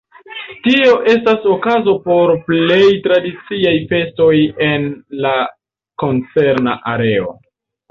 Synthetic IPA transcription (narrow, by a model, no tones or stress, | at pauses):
tio̞ʔe̞staso̞kazo̞po̞ɾple̞jtɾadit͡siajfe̞sto̞je̞nla | ko̞nt͡se̞ɾna̰ʔaɾe̞o̞̰